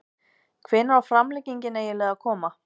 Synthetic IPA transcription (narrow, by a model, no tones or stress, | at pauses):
kʰvɪnːaɾafɾamlɛciɲcɪnɛjɛlɛːɣakʰɔːma